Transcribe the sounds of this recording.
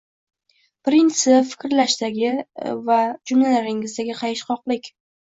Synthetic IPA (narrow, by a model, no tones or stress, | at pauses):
pɾɪnt̪sɪfɪ̥kʲɾlaʃd̪aɡʲɪvad͡ʒʊmlalaɾɪŋɪzd̪aɡʲɪqʰɑjɪʃχɒqlˠɪkʲ